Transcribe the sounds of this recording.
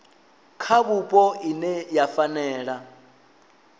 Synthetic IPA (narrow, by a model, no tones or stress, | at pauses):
kʰaβupʼɔinɛjafanɛːɺa